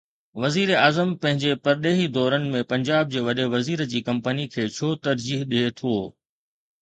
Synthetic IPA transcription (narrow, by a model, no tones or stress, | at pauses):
ʋɐziːɾeaːzəmpɐ̃ɦɪ̃ɲd͡ʑepɐɾɗeːɦid̪ɔːɾənɪ̆mẽpɐ̃ɲd͡ʑaːb̚d͡ʑeːʋɐɗeʋɐziːɾəd͡ʑiːkɐ̃mpənikʰeːt͡ɕʰoːt̪ɐɾd͡ʑiːɦɗiet̪ʰoː